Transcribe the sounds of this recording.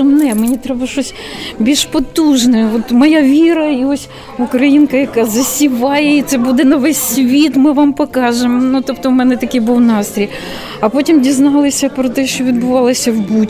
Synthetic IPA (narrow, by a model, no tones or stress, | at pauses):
ɔnɛmenʲit̪ɾɛbɐʃɔsʲ | bʲiʒpɔt̪uʒnɛɔt̪mɔjaʋʲiɾɐiɔsʲ | ʊkɾɐjinkɐjɐkɑzɐsʲiʋɑjɛit̪sɛbud̪ɛnɐʋɛsʲsʲʋʲit̪mɪʋɑmpɔkɑʒemnut̪ɔpt̪ɔʊmɛnɛt̪ɐkʲɪjbuwnɑst̪ɾʲij | ɐpotʲimdʲiznɑlˠɪsʲɐpɾɔt̪ɛʃt͡ʃɔʋʲid̪bʊʋɑlˠɐsʲɐwbutʲ